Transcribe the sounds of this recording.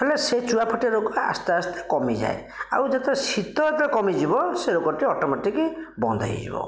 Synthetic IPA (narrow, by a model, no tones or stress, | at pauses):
eeleset͡ʃuapʰɔʈiaɾoɡɔa̰st̪east̪e̥kɔmid͡ʒa̰e | a̰wd͡ʒet̪esit̪ɔet̪ekɔmid͡ʒibɔseɾokɔʈiɔʈɔmaʈikibɔnd̪ʱa̰ḭd͡ʒḭbɔ̰